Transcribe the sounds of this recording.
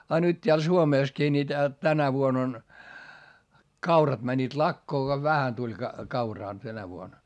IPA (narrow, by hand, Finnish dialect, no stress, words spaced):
ɑ nyt tʲeæl suomeˑskiː ni tæ tænæ ʋuon on kɑurɑt mænʲːiːt lɑkːoː ko ʋæhæn tulʲ kɑ kɑurɑː tænæ ʋuon